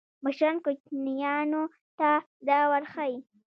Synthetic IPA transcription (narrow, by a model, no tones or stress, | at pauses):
maʃɾɑnkʊt͡ʃnijɑno | t̪a | d̪awaɾxaji